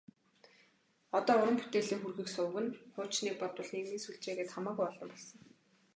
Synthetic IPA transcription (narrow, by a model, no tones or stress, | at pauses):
ɔt̪ɔːʊɾə̆mput̪eːɮɘ̆ːŋxurɣɘ̆ksʊːɣɘ̆nχʊ̥ːt͡ɕniːk̚pɔt̪wə̆ɮneɣmiːsuɮt͡ɕeːɣeːt̪χamæːɣujɔɮɞ̆mpɔɮsə̆ŋ